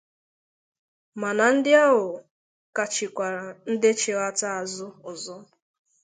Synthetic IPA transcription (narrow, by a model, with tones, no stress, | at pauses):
ma˨na˨n̩˦dɪ˦a˦ɦʊ˨ | ka˨t͡ʃɪ˨kʷa˨ɾa˨n̩˦dɪ˦t͡ʃe˨ɣa˦ta˦a˨zʊ˦ʊ˨zɔ˦